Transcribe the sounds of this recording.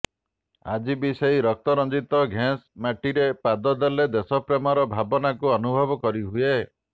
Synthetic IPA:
a̰d͡ʒibiseɦiɾɔk̚t̪ɔɾɔnd͡ʒit̪ɔɡʱãsmaʈiɾepad̪ɔd̪eled̪esɔpɾemɔɾɔbʱabɔnakuɔnubʱɔbɔkɔɾiɦue

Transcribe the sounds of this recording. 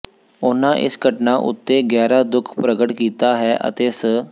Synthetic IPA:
ʊnãːʔɪ̰sɡəʈnaːʔʊ̰t̪ːeːɡɛːɾaːd̪ʊkʰpɾəɡəʈkiːt̪aːɦɛːʔə̰t̪eːsə

